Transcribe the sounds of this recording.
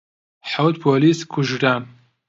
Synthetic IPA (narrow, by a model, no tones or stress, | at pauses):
ħawt̪̚pʰoːliːskʰuʒɖaːn